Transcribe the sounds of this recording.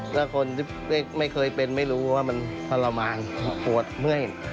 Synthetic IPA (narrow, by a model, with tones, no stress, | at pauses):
lɛ˦˥˩kʰo˧nt̪iː˥˩ | ma˥˩jma˥˩jkʰɤː˧jpe˧nma˥˩jɾuː˦˥waː˥˩ma˧npʰa˧la˧maː˧npu˨˩ət̪̚mɯ˥˩əj